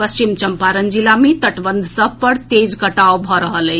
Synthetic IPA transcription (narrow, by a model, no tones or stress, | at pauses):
pəst͡ʃimt͡ʃəmpaɾənd͡ʒilamet̪əʈbənd̪ʱsəbpəɾt̪ed͡ʒkəʈaobʱɔɾəɦələ